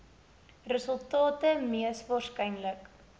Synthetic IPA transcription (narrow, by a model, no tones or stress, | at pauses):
rəsəlˠtɑːtəmiəsvɑːrskɛjnlək